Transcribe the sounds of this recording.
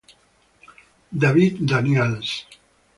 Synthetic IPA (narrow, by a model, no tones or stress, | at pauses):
d̪aβit̪d̪aniɛls